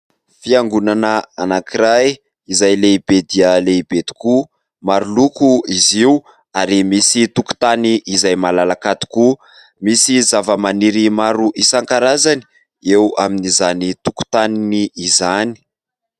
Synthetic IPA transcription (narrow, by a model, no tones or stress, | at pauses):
fiaŋɡunanəanakiɾaj | izajleibed̪iəleibet̪i̥ku | maɾulukuiziw | aɾimisit̪uku̥t̪aniʔːzajmalalakat̪u̥ku | misizavəmaniɾimaɾuʔisaŋkaɾazani̥ | ewaminizanit̪uku̥t̪aniniːzani̥